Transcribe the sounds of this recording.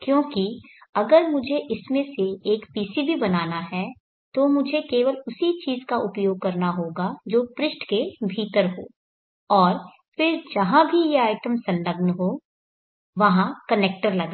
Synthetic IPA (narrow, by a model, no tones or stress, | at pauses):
kjõːkiɐɡəɾmʊd͡ʒʱeʔɪsmẽseeːkpiːsibʱibɐnaːnaɦɛ | t̪omʊd͡ʒʱekeːʋəlʊsit͡ʃiːzkaʔʊpjoːɡ̚kɐɾnaɦoːɡad͡ʒoːpɾɪsʈkebʱiːt̪əɾɦo̰ː | ɔːɾ | fɪɾd͡ʒɐɦãbʱijeaːɪʈəmsɐ̃nləɡnɦoː | ʋɐɦãkɐneːk̚ʈəɾlɐɡaː